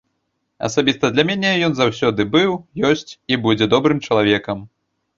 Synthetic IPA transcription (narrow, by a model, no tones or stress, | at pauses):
ɐ̰sabʲist̪ɐd̪lʲamʲɛnʲɛjɔnzawsʲɔd̪ɨbɨwjɔsʲt͡sʲibud͡zʲɛd̪ɔbɾɨmt͡ʂɐlˠavʲɛkɐm